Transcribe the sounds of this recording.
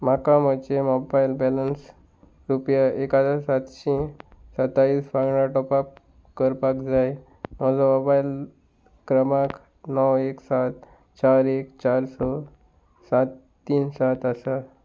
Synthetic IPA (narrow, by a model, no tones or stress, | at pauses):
makãmət͡ɕemɔbajlbɛləns | ɾupjaekad͡zasat̪ɕĩsət̪aiːsfaɡɳaʈɔpap̚ | kəɾpakd͡zaj | nɔwsɔmɔbail | kɾəmak | nɔweksat̪̚ | t͡ɕaɾekt͡ɕaɾsɔ | sat̪ːiːnsat̪asa